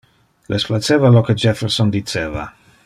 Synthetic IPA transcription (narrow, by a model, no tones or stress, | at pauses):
lʔesplat͡ʃːɛːvaloked͡ʒɛfɛɾsɔnd̪it͡ʃeːva̰